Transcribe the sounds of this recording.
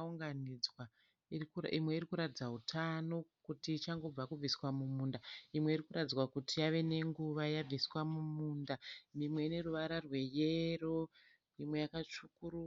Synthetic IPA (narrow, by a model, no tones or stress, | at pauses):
uŋɡanid͡zwa | ikimwe̞iɾikuɾatid͡zaɦutʰano̞kutiːt͡ʃaŋɡo̞b͡vakub͡viswamumuːndaimwe̞iɾikuɾatid͡zwakutʰijaʋe̞ne̞ŋɡuʋajab͡viswamumuːndamimwe̞ine̞ruʋaɾarwe̞jero̞ | imwe̞jakat͡ʃukuɾu